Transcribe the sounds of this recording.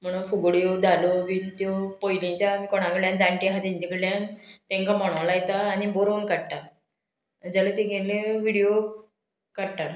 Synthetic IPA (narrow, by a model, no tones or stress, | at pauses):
m̤əɽ̃ufuɡɽjod̪alobiːnt̪jopojnit͡ɕamikoɽ̃ãkəɭjãnd͡zaɳʈiɦat̪ãɲt͡ɕikəɽljãnt̪ẽŋkamɔɽ̃olajt̪aːniboɾonkəɽʈ̪a | d͡ʑalet̪eɡẽleʋiɽijo | kəɽʈ̪a